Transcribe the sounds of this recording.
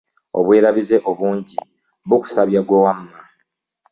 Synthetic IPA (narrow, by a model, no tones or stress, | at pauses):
o̰βwe̞ːɾaβize̞ʔo̞βuːɲɟḭ | βuku̥saβjaɡwowamːa